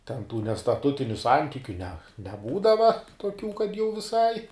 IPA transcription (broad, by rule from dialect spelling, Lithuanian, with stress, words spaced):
tʲɛn tuː nʲɛstɐˈtʊtʲɪnʲʊ ˈsɐnʲtʲɪkʲʊ nʲɛ nʲɛˈbuːdɐʋɐ toːˈkʲuː kɐt jɛʊ ʋʲɪˈsɐɪ